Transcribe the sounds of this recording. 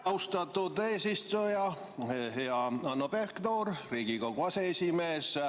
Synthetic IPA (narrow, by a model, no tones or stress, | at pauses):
ɑwst̪ɑt̪ːud̪eːsist̪ujɑ | hɑɑnːoperkt̪oːɾriːɡikoɡ̥uɑse̞esime̞ːs